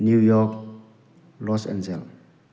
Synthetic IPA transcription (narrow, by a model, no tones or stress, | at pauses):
njujɔk | lɔsɛ̰nzɛl